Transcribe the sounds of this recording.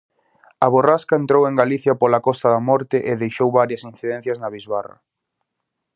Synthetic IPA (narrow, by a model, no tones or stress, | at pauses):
ɐβoraskaent̪ɾoweŋɡaliθjɐpolakɔst̪ɐðɐmɔɾt̪ɪʔeðejʃowβaɾjɐsinθiðen̟θjɐznɐβizβarɐ̰